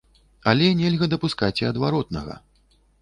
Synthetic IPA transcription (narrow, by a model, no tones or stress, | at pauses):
ɐlʲɛnʲɛlʲɣɐd̪ɐpuskat͡sʲiɐd̪vaɾɔt̪̚nɐɣɐ̰